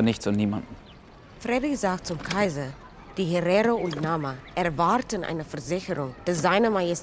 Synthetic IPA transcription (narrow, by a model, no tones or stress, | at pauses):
nɪçtz̥oniːma̰ndn̩ | fʁ̥eːdʁɪçz̥aːk̚t̚t͡sʊmkʰaɪzɐ | d̥iːɦɛʁeːʁoʊntnamaʔɛɐvaʁtənʔa̰ɪnəfɛɐzɪçəʁʊŋd̥asz̥aɪnəmajɛs